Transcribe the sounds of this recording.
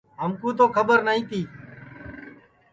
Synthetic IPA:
ɦəmkũːt̪̬oːkʰəbəɾnaĩːt̪iː

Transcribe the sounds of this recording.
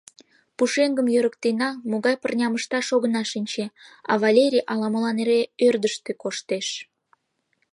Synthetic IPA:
puʃeŋɡəmjøɾək̚t̪enɑmoɣɑjpərnʲɑməʃt̪ɑʃoɣənɑʃinʲt͡ɕeɑ̰βɑlʲeɾʲijʔɑlɑməlɑneɾeørd̪əʃt̪ekoʃt̪eʃ

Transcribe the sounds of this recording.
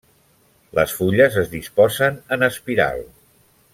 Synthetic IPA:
ləsfuʎəzəzðispɔzənənəspiɾa̰lˠ

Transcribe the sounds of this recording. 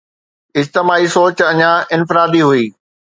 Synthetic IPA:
ɪd͡ʑt̪ɪmaːisoːt͡ɕɐɲãʔɪnfɪɾaːd̪iɦuiː

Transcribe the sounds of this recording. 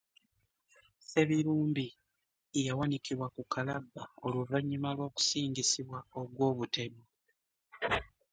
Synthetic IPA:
se̞βiɾuːmbi | ejawanikiβwakukalabːaoluvaɲːimalwo̞ːku̥siːŋɟisiβwaoɡwo̞ːβute̞mo

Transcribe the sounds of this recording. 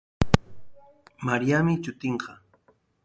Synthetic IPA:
maɾijamɪt͡ʃʊt̪ɪɴɢɑ

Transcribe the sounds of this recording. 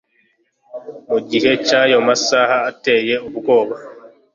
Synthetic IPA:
moɟihɛt͡ʃːaːjɔmasaːhaːtːɛːjɛubukɔːba

